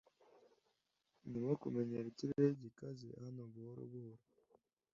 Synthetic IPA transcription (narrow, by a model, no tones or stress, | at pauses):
nimokumeɲeɾeciɾeɟikazḛhanoβuhoɾṵβuhoɾo